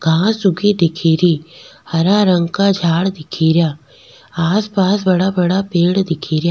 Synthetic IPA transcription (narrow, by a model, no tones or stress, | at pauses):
ɡʱãːsʊɡiːd̪ɪkʰiːɾiːhɐɾaːɾə̃ŋɡkaːd͡ʒʱaːɽd̪ɪkʰiːɾɪjaː | aːspaːsbɐɽaːbɐɽaːpeːɽd̪ɪkʰiːɾjaː